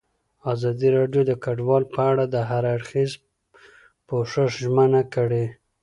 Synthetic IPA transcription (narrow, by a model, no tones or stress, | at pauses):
ɑzɑd̪iɾɑɖjod̪əkaɖwɑlpəaɽad̪əɦaɾaɽxiz | poʂəʂʒmənakəɽe